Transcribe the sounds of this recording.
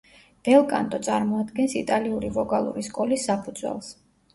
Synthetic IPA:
b̥ɛlˠkʼa̰nt̪ʼɔt̪sʼaɾmɔad̪ɡɛnsit̪ʼaliuɾivɔkʼalˠṵɾiskʼɔlisːapʰud̪zwɛ̰lˠs

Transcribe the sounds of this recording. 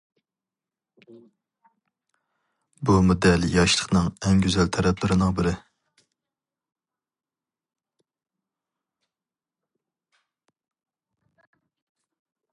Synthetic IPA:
bumod̪ɛljɑʃlˠə̥χnɨŋɛŋɡʲyzɛlt̪ʰɛɾɛp̚lɪɾɪnɨŋbɪɾɪ

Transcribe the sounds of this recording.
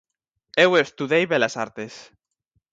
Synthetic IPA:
ewest̪uðejβelasaɾt̪es

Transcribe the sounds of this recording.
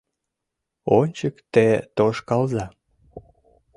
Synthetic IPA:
onʲt͡ɕəkt̪et̪oʃkɑlzɑ

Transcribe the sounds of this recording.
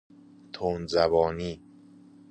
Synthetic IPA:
t̪ʰoːnzæbɒːniː

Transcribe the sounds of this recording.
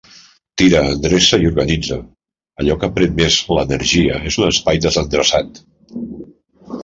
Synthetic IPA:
t̪iɾəːnd̪ɾesəiuɾɣənid͡zə | əʎɔkəpɾenmezlənəɾʒiəezunəspajd̪əzənd̪ɾəsat̪

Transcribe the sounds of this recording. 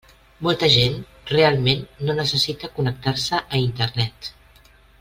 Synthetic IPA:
molˠt̪əʒen | realˠmenːonəsəsit̪əkunək̚t̪aɾsəʔəint̪əɾnɛt̪

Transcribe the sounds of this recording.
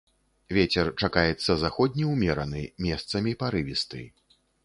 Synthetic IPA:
vʲɛt͡sʲɛrt͡ʂakajɛt̪sːɐzaxɔd̪ʲnʲiwmʲɛɾɐnɨmʲɛst̪sɐmʲipaɾɨvʲist̪ɨ̰

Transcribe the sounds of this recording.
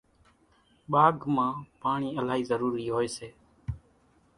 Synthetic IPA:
ɓaːɡmãːpaːɳiːəlaːɦiːzəɾuːɾiːɦoːeːseː

